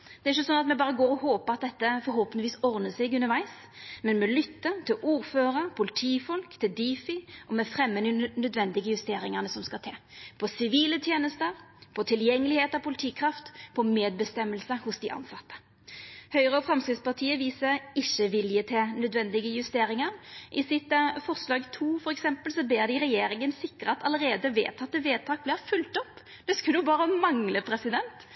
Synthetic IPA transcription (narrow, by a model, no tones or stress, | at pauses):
d̪̥ɛɾɪçːəsɔnɑt̪mɛbɑːʁɾəɡoːɾɔhoːpəɾɑt̪̚d̪ɛt̪ːəfɔɾɦoːpənʋiːsɔʁnəsɪɡʉnəɾʋæɪs | mɛnmɛlʏt̪ːət̪ʰɪlʔuːɾføːɾəɾpʰʊlɪt̪ʰiːfɔlkt̪ʰɪld̪iːfɪʔɔmɛfɾɛmːənɪnœd̪ʋɛnd̪ɪɡəjʉst̪eːɾɪŋəʁnəsɔmskɑt̪ʰeːpʰɔsɪʋiːlət̪ʰjeːnəst̪əɾpʰɔt̪ʰɪljɛŋːəlɪheːt̪ɑpʰʊlɪt̪ʰiːkʰɾɑft̪pʰɔmeːd̪̚bəst̪ɛmːəlsəhʊsd̪ɪʔɑ̰nsɑt̪ːə̥ | hœʏʁəɔfɾʁɑmskʁɪt̪spɑʁt̪ʰiːəʋiːsəɾɪçːəʋɪljət̪ʰeːnœd̪ʋɛnd̪ɪɡəjʉst̪eːɾɪŋɑɾʔɪsɪt̪fɔʁslɑːɡt̪ʰuːfɔɾɛksɛmpəlsɔbeːʁd̪ɪɾɛjeːɾɪŋənsɪkːəʁɑt̪ʰɑləɾeːd̪əʋḛːt̪ʰɑt̪̚ːəʋeːt̪ʰɑːk̚blɪʁfʉlt̪ɔpː | d̪̥ɛskʉʊbɑːɾəmɑŋləpʰɾɛsɪd̪ɛnt̪